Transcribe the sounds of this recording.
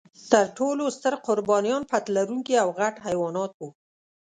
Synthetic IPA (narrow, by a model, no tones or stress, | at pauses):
t̪əɾʈolost̪əɾqʊɾbɑnijɑnpat̪laɾuŋkiawɣaʈhajwɑnɑt̪o